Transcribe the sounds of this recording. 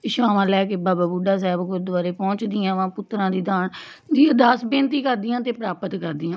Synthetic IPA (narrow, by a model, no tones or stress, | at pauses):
ʃaːmalɛːkebaːbaːbuɖaːs̬ɛːbkʊɾd̪ʋaːɾeːpɔ̃ːt͡ʃd̪ɪːãːʋãːpʊt̪ːɾãːd̪iːd̪aːn | d̪iːəd̪aːsbẽːnt̪iːkəɾd̪ɪjãːt̪eːpɾaːpət̪kəɾd̪ɪːãː